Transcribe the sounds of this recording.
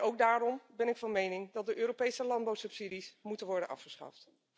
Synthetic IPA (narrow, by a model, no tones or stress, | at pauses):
owɡ̚daːrɔmbɛnɪkfɑnmejnɪŋdɑt̚dəʔøːɾopejsəlɑnd̚bawsɵpsidismutənʋɔɹdənʔɑ̰fχəsχɑ̰ft